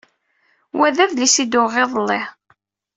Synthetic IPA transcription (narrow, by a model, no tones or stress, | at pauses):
wæðæðlisid̪oʁeðˤlːe